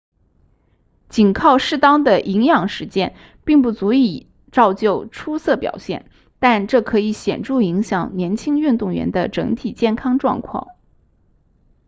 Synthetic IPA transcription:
t͡ɕi˨˩nkʰɑ˥˧ʊʂɻ̩˥˩t̪ɑ˥ŋd̪ə˨ʔi˧˥ŋjɑ˨˩ŋʂɻ̩˧˥t͡ɕjɛ˥˧n | pi˥˧ŋp̬u˥˩t͡su˧˥i˨˩ | ʈ͡ʂɑ˥˧ʊt͡ɕjo˥˩ʊʈ͡ʂʰu˥sɤ˥˩pjɑ̰˨˩ʊɕjɛ̰˥˩n | t̪a˥˧nʈ͡ʂɤ˥˩kʰɤ˧˥i˧˥ɕjɛ˨˩nʈ͡ʂu˥˩i˧˥ŋɕjɑ˨˩ŋnjɛ˧˥nt͡ɕʰi˥ŋy˥˧nt̪ʊ˥˩ŋɥɛ̰˧˥nd̪ə˧ʈ͡ʂɤ˧˥ŋt̪ʰi˨˩t͡ɕjɛ˥˩nkʰɑ˥ŋʈ͡ʂwɑ̰˥˧ŋkʰwɑ̰˥˩ŋ

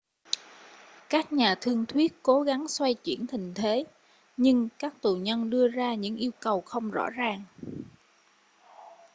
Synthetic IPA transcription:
kaː˦˥k̚ɲaː˨˩t̪ʰɨ˧əŋt̪ʰwi˦˥ət̚ko˨˦ɣa˨˦ŋswa˧jt͡ɕḭ˧˩ənt̪ʰï˨˩ŋ̟t̪ʰe˨˦ | ɲɨ˧ŋkaː˦˥k̚t̪u˨˩ɲə˧nɗɨ˧əzaː˧ɲɨ̰˧˥ŋʔi˧əwkə˨˩wxə˧wŋ͡mzɔ̰˧˥zaː˨˩ŋ

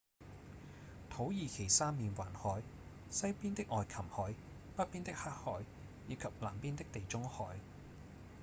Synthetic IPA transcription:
t̪ʰo˨˥wjiː˨˧kʰe˨˩jsaː˥mmiː˨˧nwa̰ː˨˩nhɔː˨˥j | sɐ˥jpiː˥nt̪ɪ˥k̚ʔɔː˨jkʰɐ˨˩mhɔː˨˥j | pɐ˥t̚piː˥nt̪ɪ˥k̚haː˥t̚hɔː˨˥jː | iː˨˧kʰɐ˨p̚la̰ː˨˩mpiː˥nt̪ɪ˥k̚t̪e˨jt͡sʊ˥ŋhɔː˨˥j

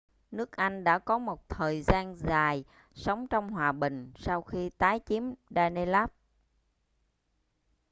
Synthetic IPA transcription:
nɨ˦˥ək̚ʔa˧jŋ̟ɗa̰ː˧˥kɔ˨˦mo˨˩t̚t̪ʰəː˨˩jzaː˧nzaː˨˩j | sə˨˦wŋ͡mt͡ɕɔ˧wŋ͡mhwaː˨˩ɓï˨˩ŋ̟sa˧wxi˧t̪aː˨˦jt͡ɕi˨˦mɗaː˧ne˧laː˦˥p̚

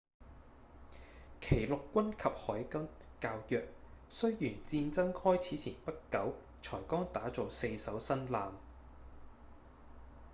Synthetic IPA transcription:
kʰe˨˩jlʊ˨kːʷɐ˥nkʰɐ˨p̚hɔː˨˥jkɐ˥m | kaː˧wjœː˨k̚sɵ˥ɥjyː˨˩nt͡siː˧nt͡sɐ˥ŋhɔː˥jt͡sʰiː˨˥t͡sʰiː˨˩npɐ˥tkɐ˨˥w | t͡sʰɔː˨˩jkɔː˥ŋt̪aː˨˥t͡sɔ˨wse˧jsɐ˨˥wsɐ˥nlaː˨m

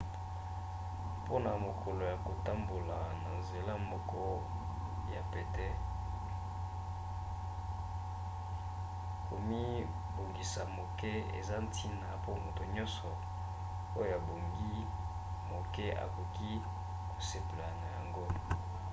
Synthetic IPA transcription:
po˦na˨mo˨kʰo˨lo˨ja˨ko˨ta˦mbo˨la˨na˨nze˨la˦mɔ˦kɔ˦ | ja˨pe˨tɛ˦ | ko˨mi˦ | bo˨ŋɡi˨sa˨mo˨kɛ˦ḛ˨za˦n˦tʰi˦na˨po˦mo˨to˨ɲɔ̃˦nsɔ˨ | o˦jo˨a˨bo˨ŋɡi˦ | mo˨kɛ˦ʔa̰˨ko˨ki˦ | ko̥˨se˨pe˨la˨na˨ja˨ŋɡo˦

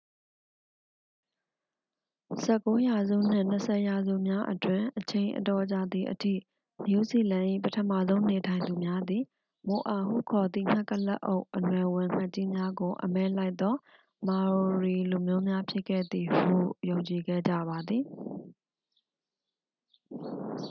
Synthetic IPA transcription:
sɛ˦˨ko˦ja˨zṵ˦˨n̥ɪ̰̃˦˨n̥əsʰɛ˨ja˨zṵ˦˨mja˦ʔətwɪ̃˨ʔət͡ɕʰẽ˨ɪ̃ʔə̰˨tɔ˨t͡ɕa˦˨d̪i˨ʔətʰḭ˦˨ | mju˨zi˦˨lã˨ʔḭ˦˨pətʰəma˦˨zõ˦ʊ̃ne˨tʰã˨ɪ̃nd̪u˨mja˦d̪i˨ | mo˨ʔa˨ɦṵ˦˨kʰɔ˨d̪ḭ˦˨ŋ̥a˦kːə˦lɛ̰˦ʔo˦ʊʔːənwɛ˨wɪ̃˨ŋ̥a˦ʔt͡ɕi˦mja˦ɡo˨ʔə̰mɛ˦la˦ɪt̪ːɔ˦ | ma˨ɹi˨lu˨mjo˦mja˦pʰjɪ˦ʔkʰːɛ̰˦˨d̪i˨hṵ˦˨jõ˨ʊ̃ɲt͡ɕi˨ɡɛ̰˦˨d͡ʑä̰˦˨ba˨d̪ði˨

